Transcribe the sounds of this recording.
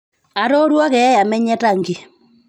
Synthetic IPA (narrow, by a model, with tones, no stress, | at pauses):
a˨to˦ɾwɔ˦kɛ˨˦ja˨mɛ˦ɲɛ˦ta˦˨ŋɡe˨